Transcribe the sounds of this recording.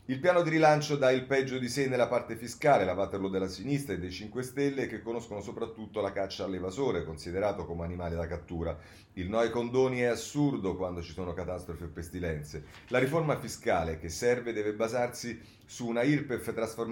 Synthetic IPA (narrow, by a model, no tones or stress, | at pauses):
ilpjaːnod̪iɾilant͡ʃod̪ailpɛd͡ʒːod̪isenːelːapart̪efiskaːlelavat̪ːeɾlod̪elːasinist̪ɾaed̪ːejt͡ʃiŋkwest̪ɛlːek̟ekːonoskonosopɾat̪ːut̪ːolakat͡ʃːaːlːevazoːɾekonsid̪eɾaːt̪okomeanimaːlid̪akat̪ːuːɾa | ilnɔjkond̪oːniɛasurd̪okwand̪ot͡ʃisoːnokat̪ast̪ɾofiepːest̪ilɛnt̪se | laɾiformafiskaːlekesːɛrved̪ɛːvebazarsi | suːnairpeft̪ːɾasform